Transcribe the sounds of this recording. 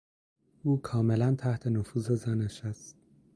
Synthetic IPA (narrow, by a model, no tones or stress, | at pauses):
uːkʰɒːmelænt̪ʰæht̪ʰe̞nofuːzezæneʃæst̪̚